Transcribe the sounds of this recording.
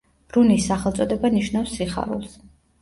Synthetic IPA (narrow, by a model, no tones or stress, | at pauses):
b̥ɾunisːaχɛlˠt̪sʼɔd̪ɛbaniʃnafsːiχa̰ɾṵlˠs